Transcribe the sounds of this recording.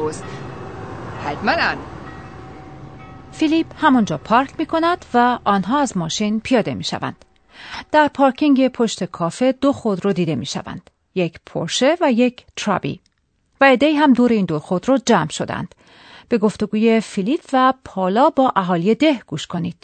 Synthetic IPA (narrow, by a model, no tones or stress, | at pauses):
s | hæt̪mænæn | filiphæmund͡ʒɒːpʰɒɾkʰmiːkʰo̞næd̪̥væʔɒːnɦɒːæzmɒːʃinpʰijɒːd̪e̞̰miːʃæ̰væ̰nd̪̥ | d̪̥æɾpʰɒːɾcʰiŋɟe̞pʰo̞ʃt̪e̞kʰɒːfe̞d̪o̞xod̪ɾod̪iːd̪e̞miːʃæ̰væ̰nd̪̥ | jecʰpʰo̰ɾʃe̞væjecʰt̪ʰɾɒ̰bḭ | væed̪ːeiːɦæmd̪oɾeiːnd̪oɾxod̪ɾod͡ʒæmʃo̞d̪æ̰nd̪̥ | b̥e̞ɡo̞ft̪o̞ɡuːje̞filiːpʰvæpʰɒːlɒːbɒːʔæɦɒːlijed̪e̞hɡ̥uːʃkʰo̞niːd̪̥